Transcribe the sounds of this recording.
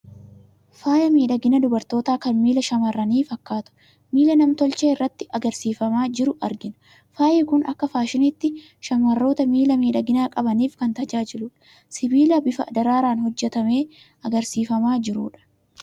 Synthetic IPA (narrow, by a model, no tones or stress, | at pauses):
faːjɐmiːᶑɐɡɪnɐd̪ʊbɐɾt̪o̞ːt̪aːkɐnmiːlɐʃɐmɐrːɐniːfɐkːaːt̪ʊ̥ | miːlɐnɐmt̪ɔlt͡ʃeːɪrːɐt̪ːɪʔɐɡɐɾsiːfɐmaːd͡ʒɪɾʊʔɐɾɡɪnɐ̥ | faːjɛkʊnʔɐkːɐfaːʃɪnɪt̪ːɪ | ʃɐmɐrːo̞ːt̪ɐmiːlɐmiːᶑɐɡɪnaːkʼɐbɐniːfkɐnt̪ɐd͡ʒaːd͡ʒɪlʊᶑɐ̥ | sɪbiːlɐbɪfɐɐd̪ɐɾaːɾaːnhɔd͡ʒːɛt̪ɐmeː | ʔɐɡɐɾsiːfɐmaːd͡ʒɪɾuːᶑɐ̥